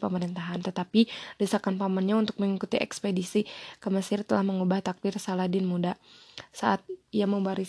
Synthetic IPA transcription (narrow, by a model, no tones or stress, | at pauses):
pəməɾint̪aɦant̪ət̪apilisakanpamanɲaunt̪ʊk̚məŋikut̪iɛ̰kspedisikəməsɪrt̪əlahməŋubaht̪ak̚dɪrsaladɪnmudasaʔat̪̚ijaməbaɾi